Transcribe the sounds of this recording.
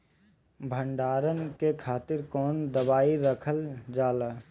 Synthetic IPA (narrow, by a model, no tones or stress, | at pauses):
bʱə̃ɳɖaːɾənkekʰaːt̪ɪɾkɔːnd̪əbaːiɾəkʰəld͡ʒaːlaː